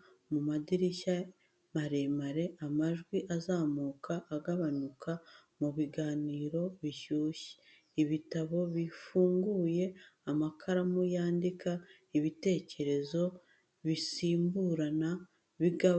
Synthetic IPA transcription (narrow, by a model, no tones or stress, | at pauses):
mumadiɾiʃa | maɾe̞maɾe̞amaʒɡwiʔazaːmuːkʰaʔːɡaβanukʰa | muβiɡaːniːɾo̞βiʃuːʃi̥ | iβitaβo̞βifuːŋɡuːje̞amakʰaɾamujaːndikʰa | iβite̞ːce̞ɾe̞zo̞ | βisiːmbuːɾana | βiɡa